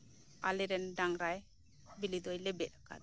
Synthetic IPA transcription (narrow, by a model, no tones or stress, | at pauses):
alɛɾɛndaŋɾaj | bilid̪ɔjlɛbɛt̚akʰa̰